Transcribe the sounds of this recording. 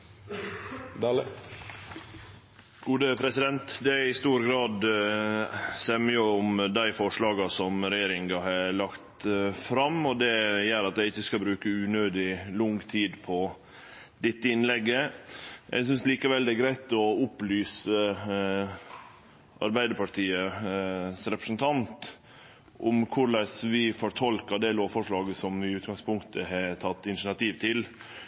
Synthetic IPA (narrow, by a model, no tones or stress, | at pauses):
d̪ | ɡ̥uːd̪əpʰɾɛsɪd̪ɛnt̪d̪ɛæɪst̪uːɾɡɾɑːd̪ | sɛmyːəʊmd̪æɪfɔʂɭɑːɡɑsɔmɾɛjeːɾɪŋɡɑɦɑlɑkt̪fɾɑmɔd̪ɛjæːɾɑt̪d̪æɪɪçːəskɑbɾʉːkəʉːnøːd̪ɪlʊŋt̪ʰiːd̪pʰɔ | d̪ɪt̪ːəɪnlɛɡːəjʔɛ̰ɪɡs̬ʏnsliːkəʋɛld̪ɛæɡɾæɪt̪ɔʊplyːsə | ʔɑ̰ɾbæɪd̪əɾpɑʈʰiːə | sɾɛpɾəsənt̪ʰɑnt̪ | ʔʊmkʰʊɾlæsʋɪfɔɾʈʰɔlkɑd̪ɛloːʋfɔʂɭɑːɡəsɔmɪʉːt̪ɡɑŋspʊŋkt̪ʰəhæt̪ʰɑt̪ːɪnʃəɳɑt̪iːʋt̪ʰɪl